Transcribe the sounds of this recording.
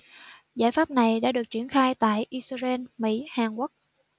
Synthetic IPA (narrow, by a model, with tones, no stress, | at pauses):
zaː˧˥jfaː˦˥p̚na˨˩jɗa̰ː˧˥ɗɨ˨˩ək̚t͡ɕi˧˩ənxaː˧jt̪a̰ː˧˨jʔi˧sze˧nmḭ˧˥haː˨˩ŋkwʊ˦˥k̚